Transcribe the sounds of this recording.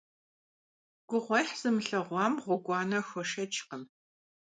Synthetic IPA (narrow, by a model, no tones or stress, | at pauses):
ɡ̥ʷʊʁʷɔjħz̥ɨmɨɬɐʁʷɑːmʁʷʊɡʷɑːnɐxʷɔʃɐt͡ʃʰʼqəm